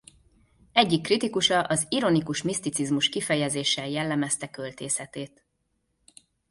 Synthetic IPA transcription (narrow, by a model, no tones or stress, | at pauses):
ɛɟːikːrit̪ikuʃɒʔɒziɾo̞nikuʃmist̪it̪sizmuʃkifɛjɛzeːʃːɛljɛlːɛmɛst̪ɛkølt̪eːsɛt̪eːt̪